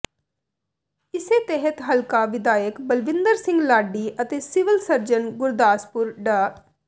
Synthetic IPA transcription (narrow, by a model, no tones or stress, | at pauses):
ɪseːt̪ɛɦət̪ɦəlkaːʋɪd̪aːjəkbəlʋɪ̃nd̪əɾsɪ̃ŋɡlaːɖiːʔət̪eːsɪʋəlsəɾd͡ʒənɡʊɾd̪aːspʊɾɖaː